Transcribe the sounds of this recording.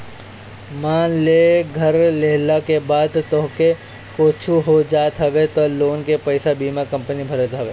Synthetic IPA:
mãːleːɡʱɐɾleɦlakebaːd̪t̪oɦke | koːt͡ʃʰuɦod͡ʒaːt̪ɦɐʋet̪oloːnkepɐɪsabiːmakɐ̃mpənibʱɐɾət̪ɦɐʋeː

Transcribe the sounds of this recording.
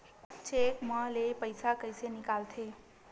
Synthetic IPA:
t͡ʃekmãlepəjsakəjsenikalt̪ʰe

